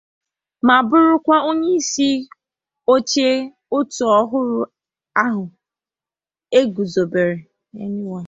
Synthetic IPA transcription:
ma˨bʊ˦ɾʊ˦kʷa˦o˦ɲe˦i˦si˦ | o˦t͡ʃe˦ | o˦tu˨ɔ˦ɦʊ˦ɾʊ˦ | a˦ɦʊ˨ | e˦ɡu˨zo˨be˨ɾe˨ | e˦nu˦wa˦

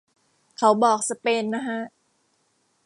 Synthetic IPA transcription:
kʰa˦wbɔː˨˩k̚sa˧peː˧nːa˦˥kʰa˦˥ʔ

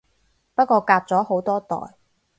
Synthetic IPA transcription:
pɐ˥t̚kʷɔː˧kaː˧p̚t͡sɔː˨˥ho˨˥wt̪ɔː˥t̪ɔ̰ː˨˩j

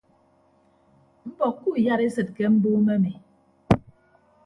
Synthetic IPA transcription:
m̩˦bɔ˨kːu˦˨ja˦ɾe˦sɨ˨t̚kɛ˦m̩˦bu˦me˦mi˨

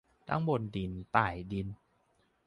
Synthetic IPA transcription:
t̪ʰa̰˦˥ŋbo˧ndi˧nt̪aː˨˩jdi˧n

